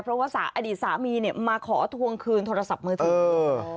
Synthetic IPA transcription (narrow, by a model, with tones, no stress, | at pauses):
pʰɾɔ˦˥waː˥˩sa̰ː˩˦ʔa˧diː˨˩t̪̚saː˩˦miː˧ni˧˩maː˧kʰɔː˩˦t̪ʰu˧əŋkʰɯː˧nt̪ʰoː˧ɾa˧sa˨˩p̚mɯː˧t̪ɯɤː˦˧˦